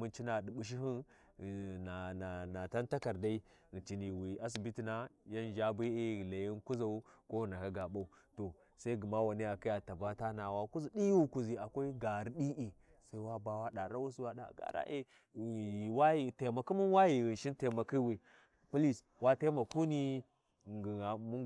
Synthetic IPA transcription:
mu˦nt͡ʃi˦na˨di˨ɓu˨ʃ̬i˦ɦi˦n˨ | na˨na˨na˨ta˦nta˦ka˨ɾda˦i˦ | ɣt͡ʃi˨ni˨wi˨a˦s̬i˨bi˦ti˨na˦ja˦nd͡ʒa˦bi˦e˦˨la˨ji˦nku˦za˨u˦ko˦˨na˨ka˦ɡa˨ba˦u˨to˨ | sa˦i˦ɡi˨ma˦wa˨ni˦ja˨ki˦ja˨ta˨ba˦ta˦na˨wa˦ku˦zi˨di˦wu˦ku˨zi˨a˨kʷa˦i˦ɡa˨ɾi˦ɗi˦ʔi˨ | sa˦i˦wa˦ba˦wa˦ɗa˨ɾa˦wu˦si˦wa˦ɗa̰˨ɡa̰˨ɾa̰˦ʔe˦˨ | i˨wa˦ji˨te˨ma˨ku˦mu˦nwa˦ji˨ɣi˨nʃi˦nte˨ma˨ki˦wi˨ | pu˦li˦˨s | wa˦te˦ma˨ku˦ni˦˨ | ɡi˨a˨mu˦

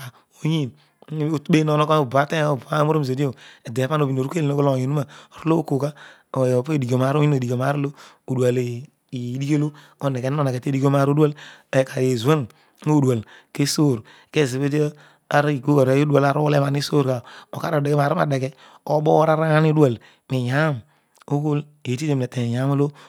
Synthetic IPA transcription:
a˨ | o˨ɲi˦˨n˦ | o˨te˦no˨no˦ka˦o˨ba˨˦te˦o˨ba˦mo˦ɾo˦m˨ze˨di˦o˨e˨de˨pa˦no˨bi˨no˨ɾu˦e˦le˨no˦ko˦lo˨ji˨nu˦ma˨o˨ɾo˦lo˦o˦ko˨ka˦ | o˨pe˦˨di˨ɡo˨ma˨ɾo˦i˦no˨di˨ko˨ma˨˦ɾi˦lo˦ | o˨du˨a˨le˨˦ | di˦ko˦lo˦ | o˨˦˨ne˨ke˨n˦o˦na˨ke˨te˦di˦ko˦m˦a˦˨˦ɾo˦du˦a˦lka˨ɾi˨e˨zu˨a˦n˦ | o˦˨da˨lke˦so˦˨ɾke˦˨ze˨be˦t̬ | a˨ɾi˨ko˦ka˨ɾa˨˦jo˦du˦a˨la˨ɾo˦wle˦ma˨ni˦so˦ɾka˨o˨ka˦ɾo˨de˨ke˦ma˨ɾi˦ma̰˨de˨ke˦ | o˦bo˦ɾa˦ɾa˦a˦ni˦du˦a˨l | me˨ja˦m | o˦ko˦l | e˨ti˦te˨mne˨te˨ja˨˦mo˦lo˦

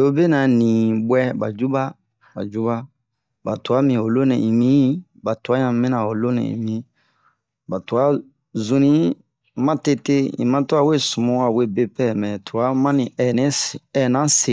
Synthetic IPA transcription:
o˦be˦nã˨nĩ˨bwɛ˦ba̰˨d͡ʒu˦ba˦ | ba̰˨d͡ʒu˦ba˦ | ba˨tu˨a˦mĩ˨o˨lo˦nɛ̃˨ĩ˨mĩ˦ | ba˨tu˨a˦ɲã˨mĩ˦nã˨o˨lo˦nɛ̰̃˨ḭ̃˨mĩ˦ | ba˨tu˨a˦ | zũ˦nĩ˦ | mã˦te˦te˦ḭ̃˨mã˦to˦a˦˨we˦˨sũ˨mɔ̃˨˦a˨we˦be˦pɛ˦˨mɛ̃˨tʰu˨a˦mã˦nĩ˨nɛ̃˦ɛ˨nã˦se˨

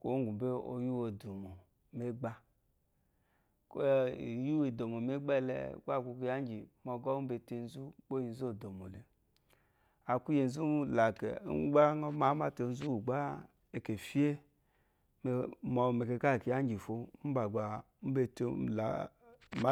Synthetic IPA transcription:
ko̰˦ɡu˨be˦o̰˧ju˦wo˨du˨mo˨ | me˦ɡ͡ba˧ | ko˦˨˦ju˦we˨do˨mo˨me˦ɡ͡bɛ˦˨lɛ̰˨ku˦a˨ku˧kja˦n˦d͡ʒi˨mɔ˧ɡɔ˦be˧te˧n̩˦zu˦k͡po˦ji˧n̩˦zu˦o˦˨do˨mo˨le˨ | a˨ku˦je˧n̩˦zu˦la˨kɛ̰˨˦ɡ͡ba˦ŋɔ˦ma˨˦ma˦te˧n̩˦zu˦u˨ɡ͡ba˦ | e˨ke˨fi˦e˦ | me˨mɔ˧˨me˨ke˧ka˦˨ki˨ja˦n˦d͡ʒi˨fo˧˦m̩˦ba˨ɡ͡ba˨˦ | m̩˦be˧te˧˦˨la̰˨ | ma˦

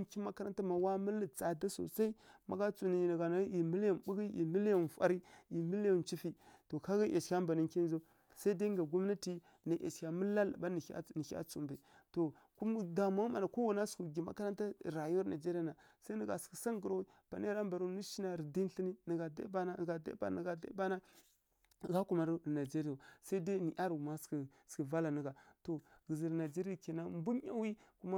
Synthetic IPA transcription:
kʲi˦ma˦ka˦ɾa˦nta˦ma˨wa˦mə˦lə˨t͡sa˨da˦so̰˨sa˦i˦ma̰˦ɡa˦t͡su˨ni˨nə˨ɡa˨na˦i˨mi˦la˦˨nɓu˦ɡi˦ḭ˨mə˦la˦˨n˨fa̰˦ɾi˦i˨mi˦lja˦˨nt͡ʃi˦fi˦to˨ka˦ɣa˦ʔa̰˨t͡ʃkʲa˦mba˨ni˦ŋki˦n˦za˦ | sa˦i˦da˦ŋɡa˨ɡu˦m˦na˦ti˦ | na˨ʔa̰˨t͡ʃkʲa˨mə˦la˦la̰˨ba˦n˨a̰˦nə˨˦a̰˦t͡su˨mba˨ | to˨ | ku˦m˦da˨ma˦ŋ˦ma˨na˨ko˦wa˨na˦sku˨ɡi˨ma̰˦ka˦ɾa˦nta˦ɾa˨ju˦na˨d͡ʒe˦ɾi˦a˨na˨ | sa˦nə˨ɡa̰˨ski˨sa˦ŋɡə˨ɾa˦wi˦ | pa˨na˦ɾa˦mba˨ɾu˦nu˦ʃi˦na˨ɾi˨di˦n˦ɬi˦ni˦nə˨ɡa˨da̰˦ba˦n˦˨ɡa˨da̰˦ba̰˨nə˨ɡa˨da̰˦ba˦na˦˨ | ɡa˦ku˦ma˨ɾna˨d͡ʒe˦ɾi˦ja˨sa˦i˦da˦ni˨ʔa˦ɾu˨ma˦ski˨ski˨va˦la˨nə˨ɡa˨to˨ɡə˨zi˨ɾna˨d͡ʒe˦ɾa˨ke˨na˦m˦bu˦ɲa̰˦wi˦ku˦ma˦

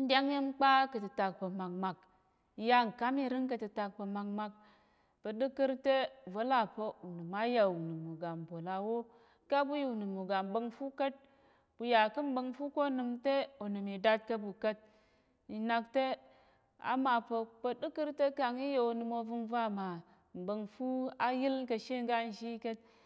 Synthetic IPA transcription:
n̩˨˦dʲa˦ŋji˦mk͡pa˦kə˨tɨ˨ta˨k̚pə˨ma˨k̚ma˨k̚ | ja˦˨ŋ̩˨ka˦mi˦ɾɨ˦ŋkə˨tɨ˨ta˨k̚pə˨ma˨k̚ma˧k̚ | pə˨ɗɨ˦kɨ˦ɾte˦və˦la˦˨pə˦u˨nɨ˨ma˦ja˨u˨nɨ˨mu˨ɡa˨m˨bo˨la˨wo˦ | ka˦bu˦ju˨nɨ˨mu˨ɡa˨m˨˦bə˦˧ŋfu˦kə˦t̚ | b̥u˨ja˨kɨ˦m̩˦bə˧ŋfu˦ko˦nɨ˧mte˦o˨nɨ˨mi˨da˦t̚kɐ˦bu˨kə˦t̚ | i˨na˧k̚te˦ | a̰˦ma˨pə˧pə˧ɗɨ˦kɨ˦ɾte˦ka˨ŋi˦je˨o˧nɨ˧mo˧vɨ˧mva˦ma˨ | m̩˨bə˧ŋfu˦a˦ji˦lkə˧ʃe˦ŋ˦ɡa˦n̩˨ʃi˦ke˦t̚

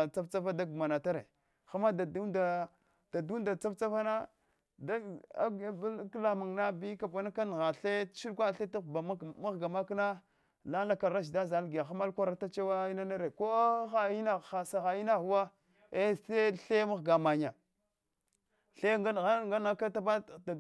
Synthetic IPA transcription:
t͡sa˦ft͡sa˦fa˦da˦ɡu˨ma˨na˨ta˦ɾḛ˨ | xa˦ma˦da˨du˦da˨ | d̥a˨du˦da˨t͡sa˦ft͡sa˦fa˦na˦ | da˦a˦bkla˨ma˨ŋna˦bi˦ka˨bʷa˨na˦ka˦n˨ɣa˨ɬe˦ʃi˦ɗkʷa˦ɬe˦ta˦˨ba˨˦ma˦ɣɡa˨ma˦kna˦ | la˦la˦ka˨ɾa˦ʃ̬da˦za˨lɡi˨ja˨xa˦ma˦lkʷa˦ɾa˦ta˦t͡ʃa˦wa˦i˦na˦na˦ɾe˨ko˦xa˨i˦na˦xa˨sa˨xa˨i˦na˦xu˨wa˦ | e˦se˦ɬe˦ma˦ɣɡa˨ma˨ɲa˨ | ɬe˦a˦˨ɣa˦ŋɡa˦n˦a˦ka˦ta˦ba˦da˨

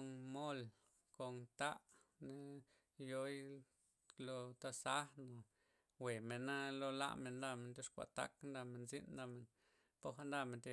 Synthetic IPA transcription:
nmo˦l | ko˨nt̪a˦ʔ | ne˦ | jo˦j | lo˧t̪a˧sa˦no˨ | we˨me˨na˦lo˦la̰˦˧me˨nd̪a˧me˨nt̪e˦ʂkʷa̰˨t̪a̰˦knd̪a˧me˨nzi˦nnd̪a˧me˨n | po˦xa˧nd̪a˧me˨nt̪e˧

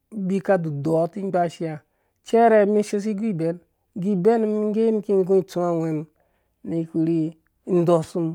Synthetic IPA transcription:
bi˦ka˦du˨do˨˦ti˦ɡ͡ba˦ʃi˦ja˨ | t͡ʃe˦ɾe˨˦mi˦ʃe˦s̬i˦ɡʷi˦˨be˨˦n | ɡi˦be˦n˦mi˦ŋ˦ɡe˦n˦ki˦ŋ˦ɡũ˦i˨t͡su˦a˦we˨n | ni˨˦ku˨ɾi˦ | n̩˦do˨su˦m

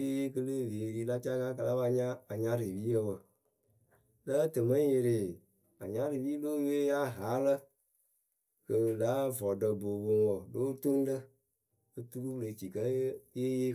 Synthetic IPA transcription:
e˦je˦kə˦lə˦˨ve˨ɾi˦la˦t͡ʃa˦ka˦kə˧la˦ba˧ɲã˦a˨ɲa˦ɾi˨bi˦ə˦bə˨ | lə˦tə˨mə˦je˨ɾi˨ | a̰˨ɲã˦ɾi˨bi˦loː˦jeː˦ja˦ɦa˨˦lə˦ | kə˨la˨˦vɔ˨də˨bo˨bo˨ŋɔ˨loː˦to˦n˦də˦ | ə˦tu˦ku˦le˨t͡ʃi˨kə˦je˦je˦

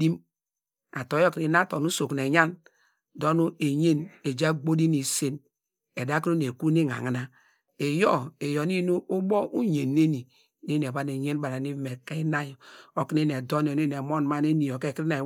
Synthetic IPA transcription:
di˦m | a˨to˨˦jɔ˦ki˨na˦to˨nu˦so˨kn˨e˨ɲa˦n | do˦nu˦e˨ɲe˦ne˨d͡ʒa˦ɡ͡bo˦di˦ni˨se˦n | e˨da˦ki˦o˦ne˨ku˦ne˦˨ŋa̰˨ŋa˨na˦ | e˨jɔ˦e˨jo˨˦ni˦nu˦ʔo˦bɔ˦ʔu˦ɲe˨nːe˦ni˨ | ne˦n˨e˨ba˦ne˨ɲe˦n˦ba˨ɾa˨ni˦me˨ke˦i˦na˦jɔ˨o˦ki˦ne˦n˨e˨do˦n˨o˨ne˦n˨e˨mo˦n˨ma˦ne˦ni˨jo˨ke˦˨kɾi˦ne˨

